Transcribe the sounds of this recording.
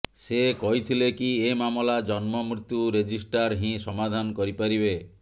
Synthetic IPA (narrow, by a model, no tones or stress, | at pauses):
sekɔɦit̪ʰilekiemamɔlad͡ʒɔnmɔmɾit̪juɾed͡ʒisʈaɾɦĩsɔmad̪ʱankɔɾipaɾibe